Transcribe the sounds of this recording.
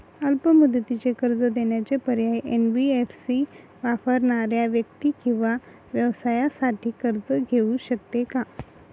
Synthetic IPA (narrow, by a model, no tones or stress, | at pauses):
əlpəmud̪ət̪it͡ɕekəɾd͡zəd̪eɳjat͡ɕepəɾjajʔenbiefsi | ʋafəɾɳaɾjaʋjəkt̪iːkĩw̃ʋa | ʋjəʋsajasaʈʰiːkəɾd͡zəɡʱeũɕək̚t̪eka